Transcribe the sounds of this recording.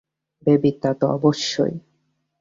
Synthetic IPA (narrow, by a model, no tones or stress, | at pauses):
bebit̪ːat̪oɔ̰boʃːo̰j